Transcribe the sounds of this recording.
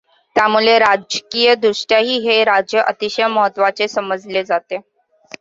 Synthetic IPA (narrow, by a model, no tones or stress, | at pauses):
t̪jamuɭeɾad͡ʑkijəd̪ɾuʂʈjaɦiːɦeɾad͡ʑjəʔət̪iɕəjməɦət̪ːʋat͡sesəməd͡zled͡zat̪e